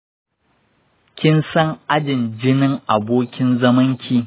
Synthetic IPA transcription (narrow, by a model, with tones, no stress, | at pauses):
kʲɪ˦nsɐ˦ŋʔa˦d͡ʒɪ˨nd͡ʒɪ˦nɪ˦ŋʔa˨boː˦kʲɪ˦nzɐ˦mɐ˦ŋkʲʰiː˨